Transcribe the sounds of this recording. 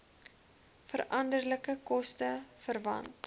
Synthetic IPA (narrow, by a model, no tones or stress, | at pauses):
fəɾɐndərləkəkɔstəfərvɐ̰nt